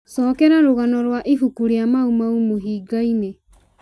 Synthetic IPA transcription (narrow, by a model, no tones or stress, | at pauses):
sɔːkɛɾaɾoɣanɔɾwaʔifukuɾeamaumaumoɦiːɡaine